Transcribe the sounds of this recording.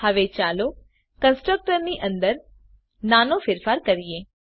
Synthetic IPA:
həʋet͡ʃaːlo | kə̃nsʈɾək̚ʈəɾniːʔə̃nd̪əɾ | naːnofɪɾfaːɾkəɾieː

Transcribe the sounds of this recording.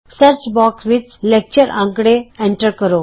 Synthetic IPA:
səɾt͡sbɔksʋit͡slek̚t͡ɕəɾʔã̰ŋkɽeẽɳʈəɾkəɾo

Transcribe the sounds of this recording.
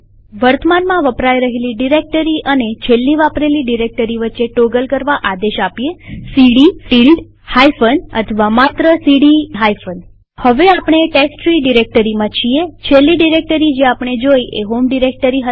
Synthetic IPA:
ʋəɾt̪ʰəmanmãʋəpɾajɾəɦeliɖiɾek̚ʈəɾiʔənet͡ʃʰelːiʋapɾeliɖiɾek̚ʈəɾiʋətːʃeʈoɡəlkəɾʋaʔad̪eʃapijesiɽifilɖ | hajfənə̰t̪ʰəʋamat̪ɾəsiɽiɦajfən | həʋeapəɳ̃eʈeksʈɾiɖiɾek̚ʈəɾimãt͡ʃʰiet͡ʃʰelːiɖiɾek̚ʈəɾid͡ʒeapɳ̃ed͡ʒojʔeɦomɖiɾek̚ʈəɾiɦə

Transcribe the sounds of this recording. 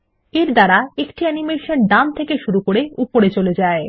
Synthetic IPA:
eɾd̪aɾaekʈiɛnimeʃonɖamt̪ʰekeʃuɾukoɾeupoɾet͡ɕoled͡ʑae

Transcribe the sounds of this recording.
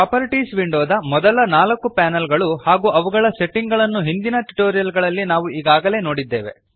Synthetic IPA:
paːpɐɾʈiːsʋiɳɖoːd̪ɐmɔd̪ɐlɐnaːlɐkːupɛːnɐlɡɐɭuhaːɡuːʔɐʋuɡɐɭɐse̞ʈːiŋɡɐɭɐnːuɦind̪inɐʈu̥ʈoːɾijɐlɡɐɭɐlːinaːʋuiːɡaːɡɐle̞ːno̞ːɽid̪ːe̞̰ːʋe̞̰

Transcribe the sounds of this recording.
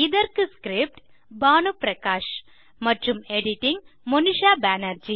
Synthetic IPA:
ɪðɐɾkɯskɾɪp̚ʈ | baːnupɾɐkaːʂ | mɐʈrɯmeɽɪʈːɪŋmɔnɪʂaːbaːnɐɾd͡ʒi

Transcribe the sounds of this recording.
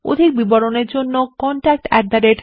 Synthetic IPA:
o̰d̪ʱik̚bibɔɽoneɾd͡ʑonːokɔɳʈak̚ʈɛ̰k̚d̪aɾeʈ

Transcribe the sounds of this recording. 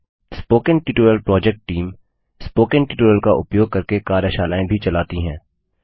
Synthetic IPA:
spoːkənʈiʈuːɾəlpɾɔːd͡ʒɛk̚ʈʈiːm | spoːkənʈɪʈuːɾəlkaʔʊpjoːɡ̚kɐɾkekaːɾjəʃaːlaːẽbʱit͡ʃɐlaːt̪iɦɛ̃ː

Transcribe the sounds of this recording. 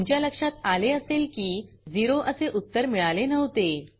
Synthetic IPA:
ɲt͡ɕjaləkʂat̪aleəselkiː | d͡ziɾoʔəseʔut̪ːəɾmiɭalenəʋt̪e

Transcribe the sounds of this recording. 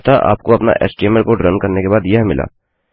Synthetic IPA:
t̪ʰaʔa̰ːp̚koɐpna̰ʔɛ̰ːsʈeːməɾkoɖɾɐnkɐɾnekebaːd̪jɐɦmɪla̰ː

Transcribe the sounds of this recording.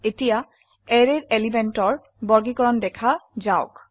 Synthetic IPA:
etija | ɛɹeɹelimɛntɔɹ | bɔɹɡikɔɹɔndɛkʰazaʊk

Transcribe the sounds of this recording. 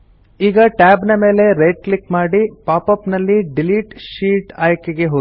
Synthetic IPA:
iːɡɐʈaːbnɐme̞ːle̞ɾeːɖ̚klikmaːɽipaːpɐpnɐlːiɖiliːʈʃiːʈaːjkeɡe̞ɦo

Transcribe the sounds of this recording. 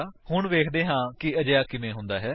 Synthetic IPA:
ɦʊɳʋeːkʰd̪eːɦãːkɪəd͡ʒjaːkɪmẽːɦʊ̃nd̪aːɦɛː

